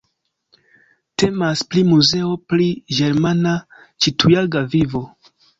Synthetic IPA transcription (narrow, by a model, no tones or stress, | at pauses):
te̞masplimuze̞opɾiɡe̞ɾmana | t͡ʃitʰujalɡavivo̞